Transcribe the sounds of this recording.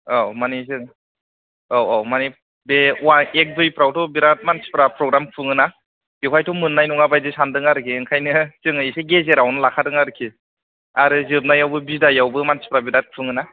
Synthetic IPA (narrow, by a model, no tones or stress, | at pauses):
amanizɯŋ | awamani | bewaek̚bɯjpɾawtʰɔbiɾat̚mansi̥pɾapɾɔɡɾamkʰɯŋɯna | bikʰwajtʰɔmɯnːajnɔŋabajzɯsandɯŋaɾɯkʰiŋkʰajnɯzɯŋɯiseɡezeɾawnɯlakʰadɯŋaɾɯkʰi | aɾɯzɯb̚najawbɯbizdajawbɯmansi̥pɾabiɾat̚kʰɯŋɯna